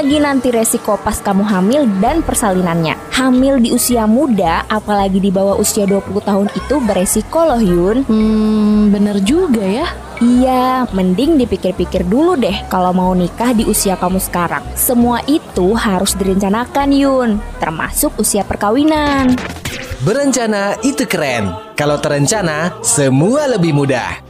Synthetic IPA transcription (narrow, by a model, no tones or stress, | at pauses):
laɡinant̪iɾesikopaskamuɦamɪldanpərsalinanɲa̰hamɪldiusiamudaapalaɡidibawaʔusiaduapuluht̪aɦʊnit̪ubəɾesikolɔhjʊnm̩bənərd͡ʒuɡaja | ijaməndɪŋdipikɪrpikɪrduludɛhkalawmaunikahdiʔusiakamusə̥kaɾa̰ŋsəmuaʔit̪uɦaɾʊsdiɾəɲt͡ʃanakanjʊnt̪ərma̰sʊk̚usiapərkawinan | bəɾəɲt͡ʃanait̪ukəɾɛnkalawt̪əɾəɲt͡ʃanasəmualəbɪhmuda̰h